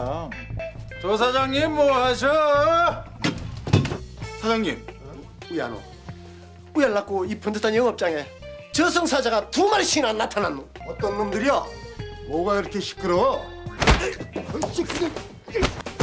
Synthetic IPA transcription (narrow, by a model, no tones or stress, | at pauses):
t͡ɕos̬ʰad͡ʑaŋɲimːoɦaɕ̬ʰʌ | sʰad͡ʑaŋɲim | uja̰no̰ | ujaɭːak͈oipʰɯndɯt͈ʰanjʌŋʌp̚t͡ɕ͈aŋe̞ | t͡ɕʌsʰʌŋsʰad͡ʑaɡatumaɭɕʰinanːatʰananːuʌt̪͈ʌnːumdɯɾiʌmoɡaiɾʌkʰeɕʰi̥kʰɯɾo | ɕikʰ